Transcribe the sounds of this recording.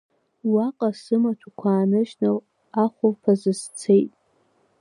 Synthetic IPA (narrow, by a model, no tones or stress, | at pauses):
waqʼasɨmatʷʰakʷʰaːnɨʒnɨ | aχʷopʰazɨst͡sʰe̞jtʼ